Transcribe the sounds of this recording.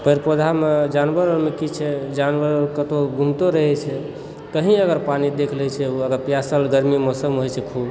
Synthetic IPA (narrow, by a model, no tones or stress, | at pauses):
pəɾpod̪ʱamed͡ʒanbəɾəlmekit͡ʃʰɛd͡ʒanbəɾəlkət̪oɡʱumt̪oɾəɦɛt͡ʃʰɛ | t̪əɦĩəɡəɾpanid̪ekʰlɛt͡ʃʰɛuəɡəɾpjasəlɡəɾmimɔsəmɦojt͡ʃʰɛkʰub